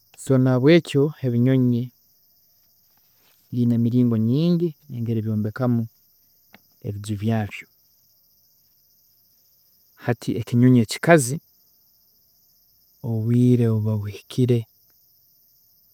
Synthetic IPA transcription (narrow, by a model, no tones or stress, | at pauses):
so̞naβwe̞ːco̞he̞βiɲo̞ɲe | linemiɾiːŋɡo̞ɲiːɲɟineŋɡe̞ɾeβjo̞ːmbe̞kamu | e̞βizuβjaːβjo̞ | hatʰiʔeciɲo̞ɲe̞ːci̥kazi | oβwiːɾe̞oβaβihicʰiɾe̞